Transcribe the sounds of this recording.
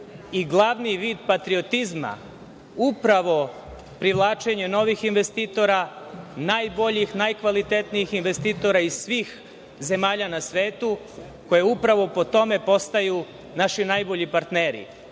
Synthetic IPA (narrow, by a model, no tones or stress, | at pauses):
iɡlˠaʋniʋiːd̪pat̪ɾiot̪izma̰ | upɾaʋo̞ | pɾiʋlˠaːt͡ʃe̞ɲe̞no̞ʋixinʋe̞st̪iːt̪o̞ɾanajbo̞ʎixnajkʋalit̪et̪nijixinʋe̞st̪it̪o̞ɾaisʋiːx | ze̞maːʎanasʋe̞ːt̪u | ko̞jeupɾaʋo̞po̞t̪o̞me̞po̞st̪aju | naʃinajbo̞ʎipaɾt̪neːɾḭ